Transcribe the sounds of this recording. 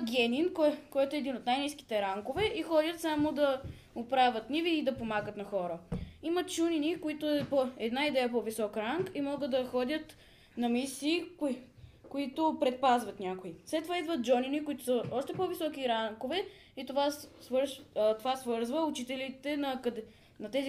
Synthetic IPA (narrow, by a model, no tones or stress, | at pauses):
ɡʲɛninkkɔjt̪oɛːd̪inot̪najniski̥t̪ɛɾaŋkovɛʔixɔdʲət̪samod̪ɐ | opɾavʲət̪niviːd̪ɐpomaɡət̪nɐxɔɾəimɐt͡ʃuninikoit̪ʊɛpoɛd̪naid̪ɛjəpɔvisɔkɾaŋkimɔɡəd̪d̪ɐxɔd̪ʲət̪ | nɐmisiː | kʊit̪opɾɛt̪̚pazvɐt̪nʲakʊislɛt̪ːovaid̪vət̪̚d͡ʒɔninikʊit̪ʊ̥səʔɔʃt̪ɛpɔvisɔkiɾaŋkovɛ | it̪ovavɾt̪ovasvɤɾzvəʊt͡ʃit̪ɛlit̪ɛnɐkɐd̪ | nɐt̪ɛzi